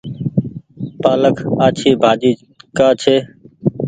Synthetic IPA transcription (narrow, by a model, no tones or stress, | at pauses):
paːləkʰaːt͡ʃʰiːbʱaːd͡ʒiː | kaːt͡ʃʰeː